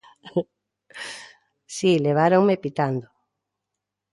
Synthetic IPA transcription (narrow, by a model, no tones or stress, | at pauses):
sileβ̞aɾoŋmepit̪and̪o